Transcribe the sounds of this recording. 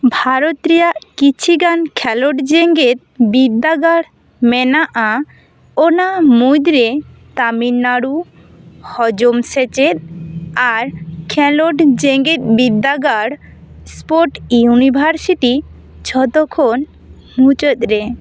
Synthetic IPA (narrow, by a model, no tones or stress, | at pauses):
bʱaɾot̪ɾijaʔkit͡ɕʰiɡankʰɛloʈd͡ʒeŋɡet̪̚bid̪aɡaɽ | menaʔa | onamujd̪ɾe | t̪aminːaɽu | hɔd͡ʒomset͡ɕeɾaɾkʰɛloʈd͡ʑeŋɡet̪̚bibd̪aɡaɽ | spoɾʈunibʱaɾsiʈi | t͡ʃʰɔt̪ɔkʰon | mut͡ʃot̪ɾe